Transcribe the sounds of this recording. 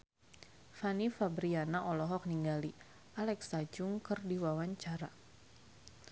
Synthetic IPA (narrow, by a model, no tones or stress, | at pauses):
fanifabɾianaʔɔlɔɦɔk̚niŋɡali | ʔalɛksad͡ʒʊŋkɨrdiwawaɲt͡ʃaɾa